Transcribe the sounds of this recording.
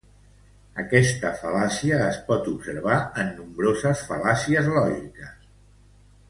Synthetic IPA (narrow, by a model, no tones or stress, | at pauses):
əkɛst̪əfəlasiəːspɔt̪upsəɾβ̞aənːumbɾozəsfəlasiəzlɔʒikəs